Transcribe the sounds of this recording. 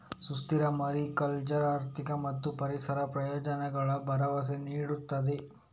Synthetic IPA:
sust̪iɾɐmɐɾikɐlt͡ʃɐɾaːɾt̪ʰikɐmɐt̪ːupɐɾisɐɾɐpɾɐjɔːd͡ʒɐnɐɡɐɭɐbʱɐɾɐʋɐs̬eniːɽut̪ːɐd̪e

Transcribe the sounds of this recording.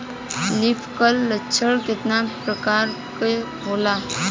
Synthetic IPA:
lipʰkəlːətːʃʰəɽkɪt̪napɾəkaːɾ | ke | ɦoːla

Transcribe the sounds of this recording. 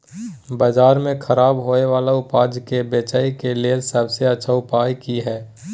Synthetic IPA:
baːd͡ʒaːɾmẽkʰəɾaːbɦoːeʋaːlaʊpaːd͡ʒkebeːt͡ʃaːikeleːsəbseɐtːʃʰaʊpaːjkiɦɛː

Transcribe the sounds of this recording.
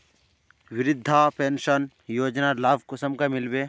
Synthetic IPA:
wɪɾɪd̪ʱːapeːnʃən | joːd͡ʒnalaːbʱkʊsəmkamɪlbe

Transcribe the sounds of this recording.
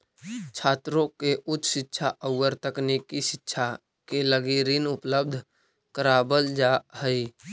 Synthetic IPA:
t͡ʃʰaːt̪ɾõkeʔʊt̪ːʃɪtːʃʰaʔəʊːəɾt̪əknikiʃɪtːʃʰa | keləɡiɾinʊpləb̚d̪ʱ | kəɾabəld͡ʒahəi

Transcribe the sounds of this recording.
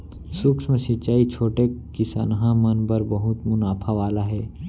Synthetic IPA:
sʊksmẽsɪt͡ʃaːit͡ʃʰoːʈekɪsa̰nɦãmənbəɾbəɦʊt̪mʊnaːpʰaʋaːlaɦɛː

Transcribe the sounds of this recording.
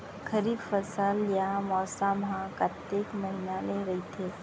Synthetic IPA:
kʰəɾiːbfəsəljamɔːsamɦãkat̪ːeːkmɐɦinaleɾɐɦit̪ʰeː

